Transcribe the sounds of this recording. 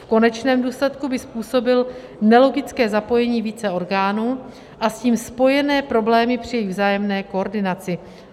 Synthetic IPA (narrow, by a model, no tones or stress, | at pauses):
fko̞nɛt͡ʃnɛːmduːslɛt̪kubɪspuːso̞bɪl | nɛlo̞ɡɪt͡skɛːzapo̞jɛɲiːviːt͡sɛo̞ɾɡaːnuː | ʔasciːmspo̞jɛnɛːpɾo̞blɛːmɪpr̥ɪjɛjɪvzaːjɛmnɛːkooɾdɪnat͡sɪ